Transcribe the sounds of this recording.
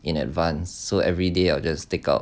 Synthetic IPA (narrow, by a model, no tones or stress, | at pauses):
ĩnɛ̰tvãnsːoʔɛvɹideaɪld͡ʒasteka̰ʊ